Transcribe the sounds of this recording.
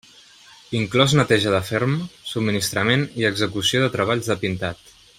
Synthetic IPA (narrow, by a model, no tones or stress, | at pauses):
iŋklɔznət̪ɛʒəðəfeɾmsub̚mːinist̪ɾəmeniəɡzəkusioðət̪ɾəβaʎzðəpint̪at̪